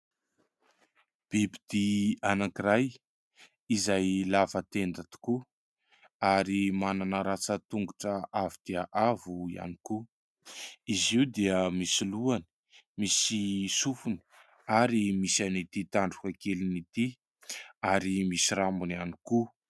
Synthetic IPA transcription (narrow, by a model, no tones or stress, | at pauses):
b̥ibid̪̥ianakiɾaj | izajlavət̪end̪at̪u̥ku | aɾimananəɾat͡sət̪uŋɡuʈ͡ʂəʔavid̪̥eaʔavuia̰niku | iziwd̪eəmisiluani̥ | misisufuni̥ | aɾimisanit̪it̪aɳɖ͡ʐukakelinit̪i | aɾimisiɾambuniani̥ku